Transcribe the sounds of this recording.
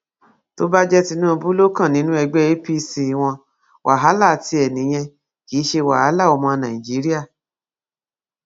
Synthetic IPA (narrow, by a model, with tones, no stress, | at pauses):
to˦ba˦d͡ʒɛ˦ti˧nũ˦˧bu˦lo˦kã˦˨nĩ˦nũ˦ɛ˧ɡ͡bɛ˦e˦pi˦si˧˨w̃ɔ̃˧ | wʔa˨ɦa˨˦la˦˨ti˧˦ɛ˨nĩ˨˦j̃ɛ̃˧ | ki˨˦ʃe˧wa˨ha˨˦la˦˨ɔ˧mɔ̃˧nã˨i˨d͡ʒi˨˦ɾi˦a˦˨